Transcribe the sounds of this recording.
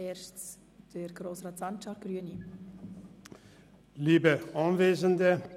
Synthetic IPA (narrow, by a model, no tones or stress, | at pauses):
ɛːɾʃt͡s | d̥əɾɡ̥ɾoːsrɑːtsɑnt͡ʃɑɡ̥ɾyəni | liːbəʔɑnveːzəndə